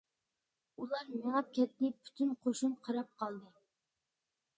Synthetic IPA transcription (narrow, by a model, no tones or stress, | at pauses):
ulˠɑɾmeŋɛt̪̚kʲʰɛt̪nɪpʰy̥t̪ʰynqʰoʃumqʰɑɾɑp̚qʰɑlˠd̪ɨ